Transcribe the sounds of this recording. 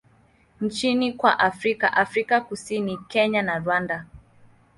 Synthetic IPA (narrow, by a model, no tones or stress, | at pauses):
n̩t͡ʃinikwa̰ʔafɾika̰ʔafɾikakusinikɛɲanaɾwanda